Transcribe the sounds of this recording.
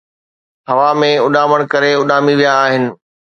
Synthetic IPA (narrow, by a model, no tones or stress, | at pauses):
ɦɐʋamẽʊɗaːməɽ̃kɐɾeʊɗaːmiʋijaːɦɪnɪ̆